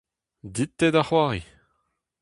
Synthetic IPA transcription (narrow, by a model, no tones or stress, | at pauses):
d̪it̪ːɛd̪aχwaːʁi